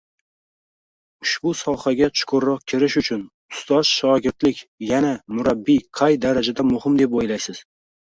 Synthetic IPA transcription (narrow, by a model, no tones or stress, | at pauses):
ʊʃbʊsɒhaɡʲat͡ʃʰʊ̥kʰʊɾɒq̚kʲʰɪɾɪʃʊt͡ʃʰʊn | ʊst̪ɒz̥ʃɒɡʲɪɾt̪lɪkʲjanamʊɾabːiqʰɑjd̪aɾad͡ʒad̪amʊhɪmd̪e̞p̬ojlajsɪz̥